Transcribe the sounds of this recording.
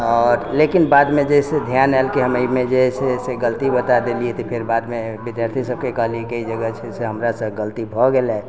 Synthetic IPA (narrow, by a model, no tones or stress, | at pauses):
ɔːɾlekinbad̪med͡ʒeɦsed̪ʱjanaelkeɦəmemed͡ʒeɦɛseseɡəlt̪ibət̪ad̪eliet̪ɔpʰeɾbad̪mebid̪jaɾt̪ʰisəb̚kekəɦliekəid͡ʒəɡət͡ʃʰɛseɦəmɾasə̃ɡəlt̪ibʱɔɡelɛ